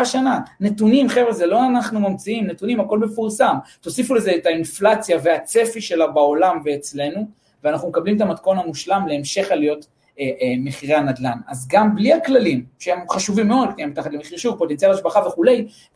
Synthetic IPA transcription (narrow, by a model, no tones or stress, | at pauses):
aʃanane̞tunimχevezelo̞anaχnumamt͡siimnet̪unimhako̞lbe̞fuʁsamt̪o̞sifule̞zeːtainflat͡sjaveat͡se̞fiʃe̞labao̞lamve̞ːt͡sle̞nu | veanaχnumekablimet̪amat̪̚ko̞namuʃlamleemʃe̞χalijo̞t | emeχiʁeanad̪lanazɡambliaklalimʃehemχaʃuvimːeo̞d̪̚knijambetaχatlemeχiʁʃuvpo̞tent͡sialaʃbaχave̞χule̞j